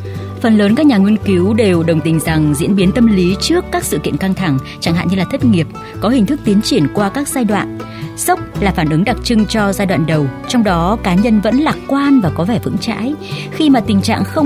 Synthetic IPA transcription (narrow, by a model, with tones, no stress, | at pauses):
fə˨˩nləː˨˦nkaː˦˥k̚ɲaː˨˩ŋwi˧ənki˨˦wɗe˨˩wɗə˨˩wŋ͡mt̪ï˨˩ŋ̟za˨˩ŋzḭ˧˥ənɓi˨˦ənt̪ə˧mli˨˦t͡ɕɨ˦˥əkːaː˦˥k̚sɨ̰˧˨kḭ˧˨ənka˧ŋt̪ʰa˧˩ŋt͡ɕa˧˩ŋɦa̰ː˧˨ɲɨ˧laː˨˩t̪ʰə˦˥t̚ŋi˨˩əp̚ | kɔ˨˦ɦi˨˩ŋ̟t̪ʰɨ˦˥k̚t̪i˨˦ənt͡ɕi˧˩ənkwaː˧kaː˦˥k̚zaː˧jɗwa̰ː˧˨n | sə˦˥wk͡p̚laː˨˩faː˧˩nʔɨ˨˦ŋɗa˨˩k̚t͡ɕɨ˧ŋt͡ɕɔ˧zaː˧jɗwa̰ː˧˨nɗə˨˩wt͡ɕɔ˧wŋ͡mɗɔ˨˦kaː˨˦ɲə˧nvə̰˧˥nlaː˨˩k̚kwaː˧nvaː˨˩kɔ˨˦vɛ˧˩vɨ̰˧˥ŋt͡ɕa̰ː˧˥jxi˧maː˨˩t̪ï˨˩ŋ̟t͡ɕa̰ː˧˨ŋxə˧wŋ͡m